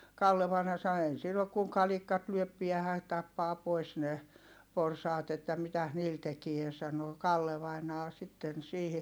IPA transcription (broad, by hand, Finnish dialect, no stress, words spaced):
kɑlːe ʋɑinɑ sɑno ei silː ok kuŋ kɑlikˑɑt lyøp piæhæ tɑpːɑː pois ne porsɑːt etːæ mitæs niːl tekie sɑno kɑlːe ʋɑinɑː sitːen siːhi